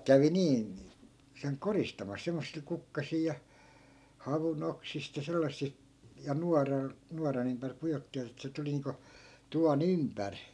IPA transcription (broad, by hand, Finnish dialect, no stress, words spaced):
kæʋi niːn̞ seŋ koristɑmɑs semːosːil kukːɑsiː jɑ hɑʋunoksist jɑ selːɑsːi jɑ nuɑrɑl nuɑrɑn ympær pujotːiʋɑt etːæ̆ se tuli niːŋko tuʋɑn ympær